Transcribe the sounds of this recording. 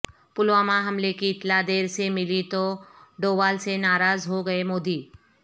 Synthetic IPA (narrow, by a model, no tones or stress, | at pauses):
pʊlʋamãɦəmlekiɪt̪lad̪eːɾsemɪlit̪oɖoːʋaːlsenaːɾaːzɦoɡəemoːd̪iː